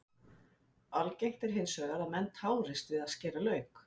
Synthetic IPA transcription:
alcejht̪ɛɾ̥ɦɪnsœːɣaɾaðmɛnt̪haːwɾɪst̪vɪðaðscɛːralœːɥk

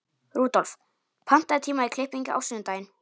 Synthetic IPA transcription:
ruːt̪ɔlf | pʰan̥t̪aðt̪ʰiːmaikʰlɪhpiɲcʏʔa̰wsiːnnt̪aːjɪn

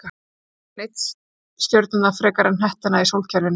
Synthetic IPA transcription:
nejt̪s | st̪jœɾt̪nanðafɾɛːkaɾɪnɦɛht̪ɪnaisowlcʰɛɾvɪn

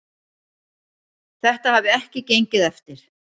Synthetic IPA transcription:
θɛht̪ahavɪɛhcɪcejɲcɪðɛft̪ɪɾ̥

